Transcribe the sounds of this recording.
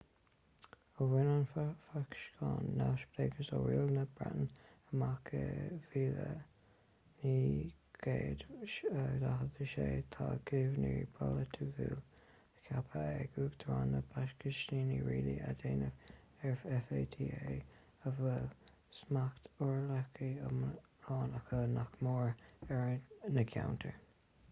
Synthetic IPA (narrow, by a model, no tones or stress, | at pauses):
əwɪnənfakʃkʰɑːnːaʃbleɡəsɔwiːlnəb̥ɹa̰ʔnəmakʰəviːðə | niːɡ̥eːd̪ədaɦəd̪əʃeːt̪ʰaːɡ̥ɪvniɹibʰɔlət̪ʰuvuːl | əkʰapʰəɛɡuːɡd̪ʰɹaːnəbaʃkəʃniːniɹiːliʔa̰d̪eːnəv | ɛɹfɛfeːt̪ʰie | əvɛl | smakt̪ɔɹlakiə | ɑːnakənakmɔːɹɛɹnəkʰawnt̪ʰəɹ